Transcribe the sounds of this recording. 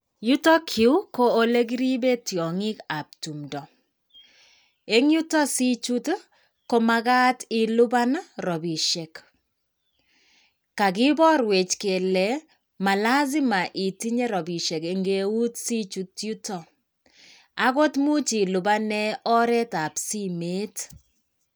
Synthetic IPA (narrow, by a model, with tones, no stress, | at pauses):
ju˦tɔ˦kʰi˨u˦ko˦o˦le˦ɡi˦ɾi˦be˦tjɔ˨ŋɪ˦ka˨p̚tu˨mdɔ˨ | e˦ŋju˦tɔ˦si˦t͡ʃu˦t | ko˦ma˧ɡa˦ti˨lʊ˦ba˦na˦ɾɔ˨bi˨ʃe˨k | ka˨kɪ˦bɔ˦ɾwe˨t͡ʃke˨lɛ˨ | ma˨la˦zɪ˦ma˨ʔi˨ti˦ɲe˦ɾɔ˨bi˨ʃe˨ke˨ŋɡe˦u˦tsi˦t͡ʃu˦tju˦tɔ˨ | a˨ko˦tmu˦t͡ʃi˨lʊ˨ba˦nɛ˦ɔ˦ɾɛ˦ta˨psi˦me˦t